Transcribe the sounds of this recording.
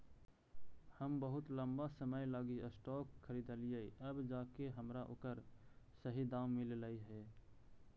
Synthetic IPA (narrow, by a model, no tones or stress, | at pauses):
həmbəɦʊt̪ləmbasəməjlaːɡiəsʈɔːkʰːəɾiːd̪əlijəiəbd͡ʒaːkeɦəmɾaʔo̰ːkəɾsəɦid̪ãːwmillaiɦɛː